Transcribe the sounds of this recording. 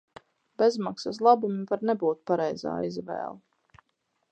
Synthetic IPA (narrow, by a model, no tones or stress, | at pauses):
b̥ezmaksas̬lˠabumivaɾnɛbuːt̪̚paɾɛjza̰ːizvɛ̰ːlˠ